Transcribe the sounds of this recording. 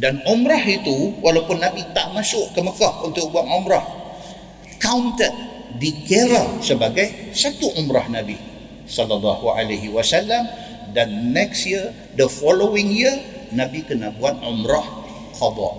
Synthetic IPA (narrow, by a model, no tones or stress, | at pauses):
danumɾahit̪uwʔalawpʊnːabit̪aʔmasʊʔkəməkahunt̪ʊk̚buaŋumɾah | kawnt̪ət̪̚ | dikeɾasəbaɡajsat̪uʔumɾahnabi | sɔlːɑlːɑhua̰leɦiwasalːam | danːɛksjiə | dəfɔlowɪŋjənãbikənaʔbuat̪̚umɾah | kɑd̪ɑ̰